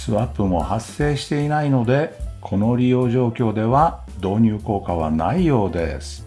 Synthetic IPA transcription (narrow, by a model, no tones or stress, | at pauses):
sɨβapːɯ̟mo̞̰hasːe̞ːɕi̥t̪e̞inaino̞d̪e̞kʰo̞no̞ɾʲijo̞ːʑo̞ːkʲo̞ːd̪e̞βa | d̪o̞ːɲ̟ɨːko̞ːkaβ̞a̰na̰ijo̞ːd̪e̞̰sɨ̥